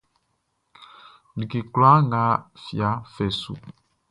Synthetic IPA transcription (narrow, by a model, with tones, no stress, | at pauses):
ni˨ki˨kla˦ŋɡa˨˦fja˨˦fɛ˨sṵ˨